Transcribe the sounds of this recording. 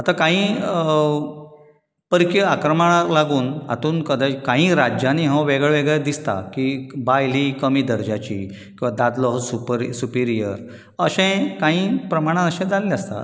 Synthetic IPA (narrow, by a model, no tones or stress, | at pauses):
at̪akãɦĩː | pəɾkiakɾəmaɭalaɡuːna̰t̪uːnkəd̪əkãɦĩːɾad͡ʑjaniɦə̃ʋeɡɭeʋeɡɭɛd̪ist̪a̰kibajlikəmiːd̪əɾd͡ʑat͡ɕḭː | kĩw̃ʋad̪ad̪lɔɦsupəɾsupiɾijə̰ɾ | əɕɛ̃kaɦĩːpɾəmaɽ̃ãəɕɛ̃d͡zaleləst̪a̰